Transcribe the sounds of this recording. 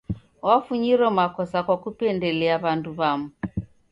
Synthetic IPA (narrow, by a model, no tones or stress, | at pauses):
wafuɲiɾɔmakɔsakwakupɛndɛlɛaβanduβamu